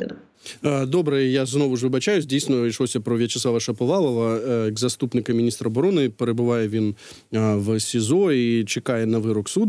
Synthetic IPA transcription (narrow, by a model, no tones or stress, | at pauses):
əd̪obɾɨjəjaznovʊʐvɨbɐt͡ɕajʊzʲdʲejsʲnɾʲɪʂlˠosʲɐpɾɔvʲet͡ʃɪsˠavɐʂɐpɐlˠalˠɐvɐɡzɐst̪upnʲɪkɐmʲɪnʲist̪ɾɐɐbɐɾonɨpɾɨbɨvajɛvʲin | vsʲɪzoit͡ɕɪkajɛnɐvɨɾɔksud̪